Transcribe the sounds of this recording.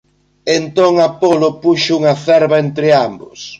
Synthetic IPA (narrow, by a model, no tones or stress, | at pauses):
ent̪oŋɐpolʊpuʃʊuŋɐθɛɾβɐent̪ɾɪambʊ̰s